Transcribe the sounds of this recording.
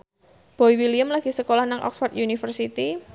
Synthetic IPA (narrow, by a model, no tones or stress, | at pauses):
b̥ɔiwiliəmlaɡ̥i̤səkolahnaŋʔɔ̰ksfɔrt̪junifərsit̪i